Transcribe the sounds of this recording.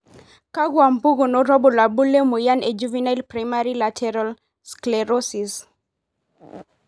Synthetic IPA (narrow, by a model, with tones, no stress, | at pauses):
ka˦ɡwa˨mpu˦ɡu˨no˦ɾɔ˦bo˨la˨bu˦le˦mu˨ja˦ne˨d͡ʒuvinajlpɾajmaɾilatʰɛɾal | skleɾosis